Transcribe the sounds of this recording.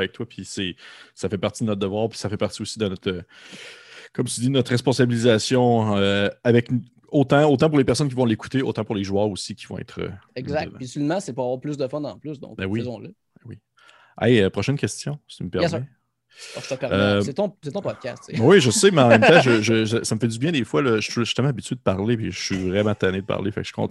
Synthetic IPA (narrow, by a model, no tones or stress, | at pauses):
vɛk̚t̪wapʰisɛsafɛpaʁt͡s̪id̪ənɔt̪̚d̪əvwɑːʁpi̥safɛpaʁt̪iusid̪ənɔt̪χə | kɔmt̪yd̪id̪ənɔt̪ʁɛspɔ̃sabilizasjɔ̃øavɛk | ot̪ãot̪ɑ̃pʊʁlepɛʁsɔnk̬ʲivɔ̃leku̥t̪eo̰ːt̪ɑ̃pʊʁleʒuœːʁusikʲʰi̥vɔ̃ɛ̰t̪χø̰ɛɡzakt̪̚pisylɛmãsɛpuʁavwaːʁplʏsd̪əfɔnɑ̰̃plʏsd̪ɔ̰̃bɛwizɔ̃lə | ɛwi | ɛ̰jøpχɔʃɛnkʲɛst͡s̪jɔ̥̃t͡s̪yməpɛʁsɛ | ʃt̪əpɛʁet̪ɔ̃set̪ɔ̃pɔd̪̚kʲast̪seɛwiʒəsemɛɑ̃mɛ̃mt̪ãʒəʒəəsaməfɛd̪zybjɛ̃d̪eːfwalɔʒə̥t̪ɛlmãːabitt͡syed̪əpaʁlepiʒəsɥivʁɛmãt̪aned̪əpa̰ʁlefa̰kʒ̥ikɔ̰̃t̪